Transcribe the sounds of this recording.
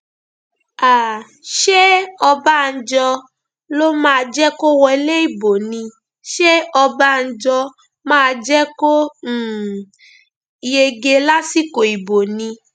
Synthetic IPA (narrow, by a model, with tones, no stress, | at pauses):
a˨ | ʃe˦ɔ˧ba˦n̩˦d͡ʒɔ˧ | lo˦mãː˦˧d͡ʒɛ˦ko˦wɔ˧i˧le˦i˦˨bo˨nĩ˧ | ʃe˦ɔ˧ba˦n̩˦d͡ʒɔ˧ | mãː˦˧d͡ʒɛ˦ko˦˨˦ | je˧ɡe˧la˦si˦ko˨i˨bo˨nĩ˧